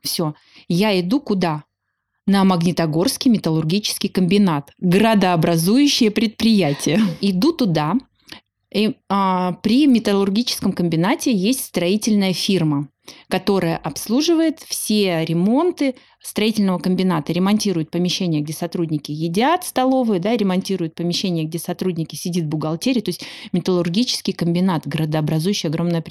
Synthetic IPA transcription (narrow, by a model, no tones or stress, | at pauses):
fsʲo̞ | jaɪd̪ukʊd̪a | nəməɡnʲɪt̪ɐɡo̞rskʲɪjmʲɪt̪əlˠʊrɡʲit͡ɕɪ̥skʲɪjkəmʲbʲɪnat̪ɡɾəd̪əɐbɾɐzujʉɕːɪjəpɾʲɪt̪̚pɾʲɪjætʲɪjəɪd̪ut̪ʊd̪a | pɾʲɪmʲɪt̪əlˠʊrɡʲit͡ɕɪ̥skəmkəmʲbʲɪnatʲɪjesʲtʲst̪ɾɐitʲɪlʲnəjəfʲirmə | kɐt̪o̞ɾəjəʔɐpslˠuʐɨvəjɪt̪fsʲeɾʲɪmo̞nt̪ɨ | st̪ɾɐitʲɪlʲnəvəkəmʲbʲɪnat̪əɾʲɪmɐnʲtʲiɾʊjʊt̪̚pəmʲɪɕːenʲɪjəɡ̚dʲe̞sɐt̪ɾudʲnʲɪkʲɪjɪdʲat̪st̪ɐlˠo̞vɨjəd̪aɾʲɪmɐnʲtʲiɾʊjʊt̪̚pəmʲɪɕːenʲɪjəɡ̚dʲesɐt̪ɾudʲnʲɪkʲɪsʲɪdʲit̪vbʊɡɐlˠtʲeɾʲɪt̪o̞ɪsʲtʲmʲɪt̪əlˠʊrɡʲit͡ɕɪ̥skʲɪjkəmʲbʲɪnat̪ɡəɾəd̪əɐbɾɐzujɕːɪjɐɡɾo̞mnəjəp